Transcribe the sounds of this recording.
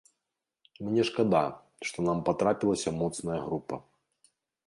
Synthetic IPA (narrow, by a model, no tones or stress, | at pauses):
mnʲɛʂkad̪a | ʂt̪ɔnampat̪ɾapʲilˠɐsʲɐmɔt̪snɐjɐɣɾupɐ̰